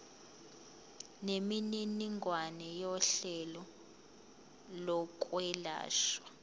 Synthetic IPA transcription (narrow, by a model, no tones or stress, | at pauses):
nemininiŋʱwanɛjɔɬɛlɔ | lɔk̬ʼwɛla̰ːʃwa